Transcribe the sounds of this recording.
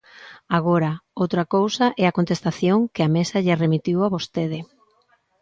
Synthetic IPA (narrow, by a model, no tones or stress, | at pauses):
aɣoɾɐowt̪ɾɐkowsɐʔɛɐkont̪est̪aθjoŋkɪamesɐʎɪremit̪iwaβost̪eð̞ɪ